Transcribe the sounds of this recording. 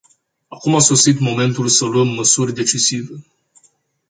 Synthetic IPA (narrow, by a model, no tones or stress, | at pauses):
akumaso̞sit̪mo̞me̞nt̪ulsəluəmːəsurʲd̪e̞t͡ʃisive